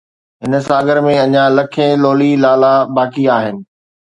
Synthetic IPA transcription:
ɦɪnə̆saːɡəɾmẽɐɲãlɐkʰẽloːlilaːlabaːkiaːɦɪnɪ̆

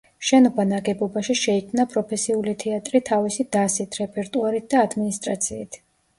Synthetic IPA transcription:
ʃɛnɔbanaɡɛbɔbaʃiʃɛikʰmnapʼɾɔpʰɛsiulit̪ʰɛat̪ʼɾit̪ʰavisid̪̥asit̪ʰɾɛpʰʼɛɾt̪ʼuaɾit̪̚d̪aːd̪minist̪ʼɾat̪sʰiːt̪ʰ

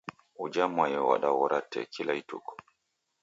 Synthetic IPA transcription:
ud͡ʒamajɛwa̰ɗawɔɾatʰːɛ̰kʰilaitṵkɔ̥

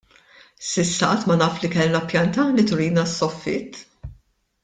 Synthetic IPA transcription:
sɪsːɐɐːt̪ːmɐnɐːflikɛlnɐpjɐnt̪ɐlit̪ʊɾiːnɐsːɔfːɪ̰t̪ː

